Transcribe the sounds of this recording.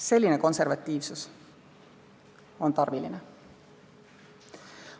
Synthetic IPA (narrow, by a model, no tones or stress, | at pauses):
se̞lːineko̞nserʋɑt̪ʲːiːʋsus | o̞nt̪ɑrʋilːine